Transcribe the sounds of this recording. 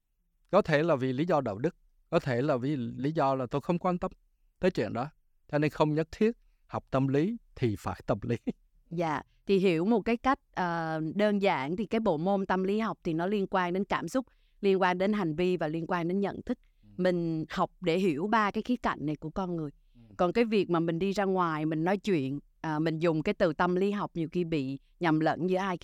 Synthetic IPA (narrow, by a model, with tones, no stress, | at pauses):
kɔ˨˦t̪ʰe˧˩laː˨˩vi˨˩li˨˦zɔ˧ɗa̰ː˧˨wɗɨ˦˥k̚ːɔ˨˦t̪ʰe˧˩laː˨˩vi˨˩li˨˦zɔ˧laː˨˩t̪o˧jxə˧wŋ͡mkwa˧nt̪ə˧m | t̪əː˨˦jt͡ɕwḭ˧˨ənɗɔ˨˦ | t͡ɕɔ˧ne˧nxə˧wŋ͡mɲə˦˥t̚t̪ʰi˦˥ət̚ | ha˨˩wk͡p̚t̪ə˧mli˨˦t̪ʰi˨˩faː˧˩jt̪ə˧mli˨˦ | za̰ː˧˨ | t̪ʰi˨˩ɦi˧˩˦əwmo˨˩t̚kaː˨˦jka˦˥jk̟̚ʔəː˨˩ɗəː˧nza̰ː˧˩nt̪ʰi˨˩kaː˨˦jɓo̰˧˨mo˧nt̪ə˧mli˨˦ha˨˩wk͡p̚t̪ʰi˨˩nɔ˨˦li˧ənkwaː˧nɗe˨˦nkaː˧˩msʊ˦˥k͡p̚ | li˧ənkwaː˧nɗe˨˦nɦa˨˩jŋ̟vi˧vaː˨˩li˧ənkwaː˧nɗe˨˦nɲə̰˧˨nt̪ʰɨ˦˥k̚ | mï˨˩ŋ̟ha˨˩wk͡p̚ɗe˧˩ɦi˧˩əwɓaː˧kaː˨˦jxi˨˦˥t̚ka̰˧˨jŋ̟na˨˩jku˧˩əkɔ˧nŋɨ˨˩əj | kɔ˨˩nkaː˨˦jvi˨˩ək̚maː˨˩mï˨˩ŋ̟ɗi˧zaː˧ŋwaː˨˩jmï˨˩ŋ̟nɔ˨˦jt͡ɕwḭ˧˨ən | ʔəː˨˩mï˨˩ŋ̟zʊ˨˩ŋ͡mkaː˨˦jt̪ɨ˨˩t̪ə˧mli˨˦ɦa˨˩wk͡p̚ɲi˨˩əwxi˧əɓḭ˧˨ | ɲa˨˩mlə̰˧˥nɲɨ˧˩ʔaː˧j